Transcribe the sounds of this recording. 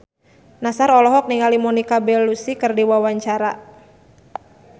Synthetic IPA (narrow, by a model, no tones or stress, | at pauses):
nasarɔlɔɦɔk̚niŋalimɔnikabɛlusikɨrdiwawaɲt͡ʃaɾa